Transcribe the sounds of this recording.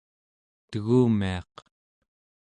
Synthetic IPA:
t̪əɣuːmiɑ̰q

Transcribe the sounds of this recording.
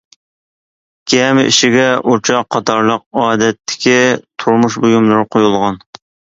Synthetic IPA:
ɡ̥ʲɛmɪḭʃiɡʲɛut͡ʃʰɑqʰːɑt̪ʰɑɾlˠəq̚ɑːd̪ɛt̪ʰːɪ̥kʲʰit̪ʰuɾmuʃbojumlˠɨɾqʰojulˠʁɑn

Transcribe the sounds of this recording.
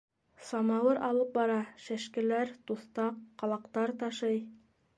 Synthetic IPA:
sɑmɑwɤɾɑlˠɤp̚bɑɾɑʃæʃkɘ̆læɾt̪uθt̪ɑqːɑlˠɑqt̪ɑɾt̪ɑʃɤj

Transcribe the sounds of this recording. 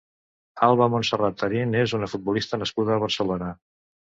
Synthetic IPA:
alˠβəmunsərat̪ːəɾinezunəfut̪̚bulist̪ənəskuð̞əːβ̞əɾsəlonə

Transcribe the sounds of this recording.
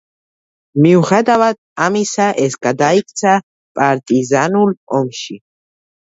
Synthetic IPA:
miuχɛd̪avad̪̚amisaʔɛsɡad̪aikʰʼt̪sʰa | pʼaɾt̪ʼizanulɔmʃi

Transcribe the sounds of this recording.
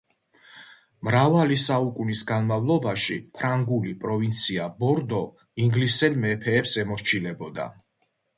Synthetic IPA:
mɾavalisaukʼunisɡanmavlˠɔbaʃḭpʰɾaŋɡulipʼɾɔvint̪sʰiabɔɾd̪ɔ | iŋɡlisɛlmɛpʰɛːpsɛmɔɾt͡ʃʰilɛbɔd̪a̰

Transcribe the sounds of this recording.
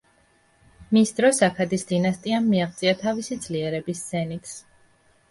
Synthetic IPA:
misd̪ɾɔsakʰad̪isd̪inast̪ʼiamːiaχt̪sʼiat̪ʰavisid̪zliɛɾɛbissɛnit̪ʰs

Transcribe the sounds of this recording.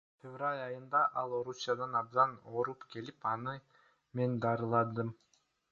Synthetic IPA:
fʲevralʲɑjɯnd̪ɑʔɑlˠo̞ɾusʲjad̪ɑnɑb̚d̪ɑno̞ɾupkʰe̞lipɑnɯ | me̞nd̪ɑɾɯlˠɑd̪ɯm

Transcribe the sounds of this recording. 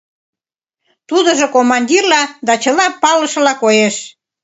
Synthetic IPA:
t̪ud̪əʒokomɑnʲdʲirlɑd̪ɑt͡ɕəlɑpɑləʃɤ̆lɑkojeʃ

